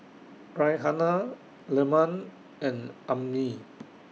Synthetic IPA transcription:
ɹajɦana | lɛmãn | ɛ̃nʔãmni

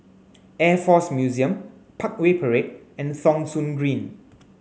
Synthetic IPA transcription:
ɛfɔsmjuziə̃m | pʰak̚wepʰəɹet̚ɛ̃nsɔ̃ŋsũnɡɹĩn

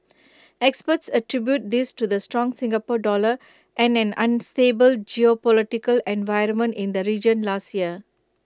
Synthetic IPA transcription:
ɛkspətsəʈɾibjut̚d̪ɪstud̪əstɹɔ̃ŋsɪ̃ŋɡəpoɖɔlə | ʔɛ̃nɛ̃nãnsteːbəld͡ʒiopɔlɪʈɪkəlɛ̃nvaɪɾə̃nmə̃ntɪ̃nd̪əɾiːd͡ʒə̃nlaːstjiə

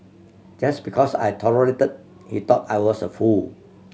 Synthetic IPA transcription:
d͡ʒasbikʰɔsa̰jtʰɔləɹetəd̚ | hit̪ɔtajwɔsəful

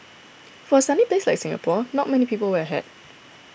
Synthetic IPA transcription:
fɔəsãnipleslajksɪ̃ŋə̰pʰɔnɔt̚mɛnipiːpəlwəəɦɛ̰d̥̚

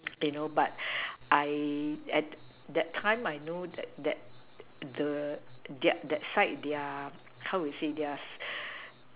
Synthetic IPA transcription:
junobat̚ʔajɛt̚ | dɛtʰãɪ̃majnodɛt̚dɛt̚ | dədɛdɛtsaɪt̚dea | hawwijsedɛas

